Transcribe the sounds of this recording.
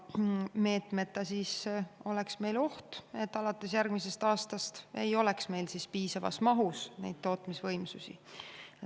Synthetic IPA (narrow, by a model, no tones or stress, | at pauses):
me̞ːt̪me̞t̪ːˑɑsiːso̞le̞ksme̞jlo̞ht̪e̞t̪ːˑɑlɑt̪ːˑe̞sjærɡ̥mise̞st̪ɑːst̪ɑst̪e̞jo̞le̞ksme̞jlsispiːsɑvɑ̰smɑɦusne̞̰jd̪̥̚t̪o̞ːt̪misvɤjmsusḭ